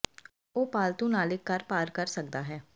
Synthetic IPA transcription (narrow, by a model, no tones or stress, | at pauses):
oːpaːlt̪ũːnaːlɪkːəɾpaːɾkəɾsəkd̪aːɦɛː